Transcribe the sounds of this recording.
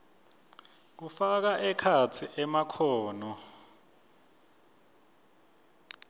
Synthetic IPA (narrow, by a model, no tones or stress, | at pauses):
k̬ufak̬aʔɛkʰatʰiʔɛmakʰɔːnɔ